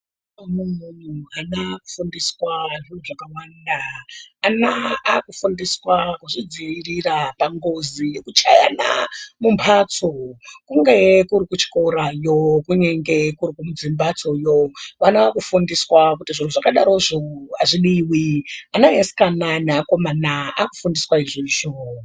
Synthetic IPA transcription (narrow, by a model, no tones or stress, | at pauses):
amum̤un̤uanaku̥fundiswaʐin̤uʐakawaːndaː | naakufundiswakuʐid͡ziirirapaŋɡozijekut͡ʃa̰ja̰na̰mumpʰat͡sokuŋɡekuɾikut͡ʃi̥ko̞ɾajokuɲe̞ŋɡe̞kuɾikumud͡zimbat͡so̞joʋanaakufundiswakutiʐin̤uʐakaɗaɾoʐoaʐiɗiwianajasi̥kananeako̞manaaku̥fundiswaiʐiiʃo